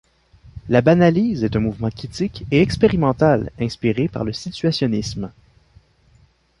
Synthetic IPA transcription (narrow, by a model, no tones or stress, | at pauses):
labanaliːzɛt̪ɛ̃muvmɑ̃kʲit̪ɪkɛɛkspeʁimɑ̃t̪alɛ̃spiʁepa̰ʁləsit͡s̪yasjɔnɪsm